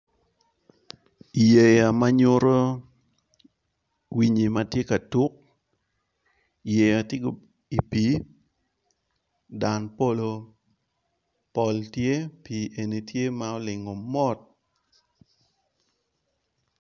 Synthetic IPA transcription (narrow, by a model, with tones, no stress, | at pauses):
i˨je˨ja˨ma˦ɲo˦ɾo˦ | wi˨ɲi˨ma˦tje˦ka˨tu˦k̚ | i˨je˨ja˨tje˦ɡo˨ | i˨pi˨˦ | da˨npo˦lo˨ | pɔ˨ltje˦pi˨ʔe˨ni˨tje˦ma˦ɔ˦lɪ˨ŋɔ˨mɔ˦t̚